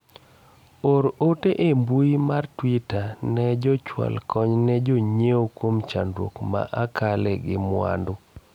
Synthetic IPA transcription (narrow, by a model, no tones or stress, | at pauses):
oɾoteʔembuimartwitanɛd͡ʒɔt͡ʃwa̰lkʰɔɲnɛd͡ʒoɲeokwomt͡ʃandwo̰kma̰ʔakʰalɛɡɪmwa̰ndo